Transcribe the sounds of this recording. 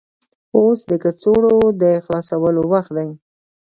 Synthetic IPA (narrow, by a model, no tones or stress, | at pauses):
osd̪əkət͡soɽod̪əxlɑsawəlowaxt̪d̪aj